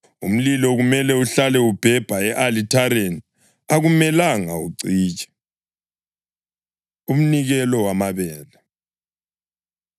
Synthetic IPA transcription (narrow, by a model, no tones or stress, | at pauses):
ṵm̩lilɔɣumɛlɛuɬalɛub̥ʱɛb̥ʱaɛʔalitʰaɾeni | aɣumɛlaŋaṵǀiːt͡ʃʼɛ̥ | um̩niɣɛlɔwamaβɛːlɛ